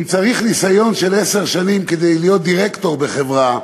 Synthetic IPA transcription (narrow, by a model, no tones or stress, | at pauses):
mt͡saʁiχnisajo̞nʃe̞lese̞ʁʃanimke̞d̪e̞jlijo̞t̪̚d̪iʁekt̪o̞ʁbe̞χe̞vʁa